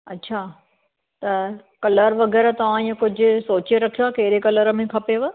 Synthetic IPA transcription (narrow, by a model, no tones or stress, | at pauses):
ɐ̰tːɕʰaː | t̪ɐ | kɐləɾʋɐɣɛːɾt̪ɐʋ̤ãĩːẽkʊd͡ʑʱʊ̆soːt͡ɕeɾɐkʰijoaːkɐɦɪɾekɐləɾəmẽkʰɐpeʋə